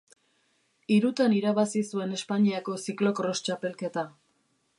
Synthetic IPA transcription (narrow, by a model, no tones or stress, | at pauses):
iɾut̪aniɾaβasisue̞ne̞spaɲiako̞siklo̞kro̞st͡ʃape̞lke̞t̪a